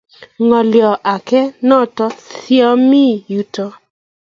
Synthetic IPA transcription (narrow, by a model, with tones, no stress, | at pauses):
ŋɔ˨ljɔ˨ʔa˨kɛ˦nɔ˦˨tɔ˦θjɔ˦mi˦˨ju˨˦tɔ˦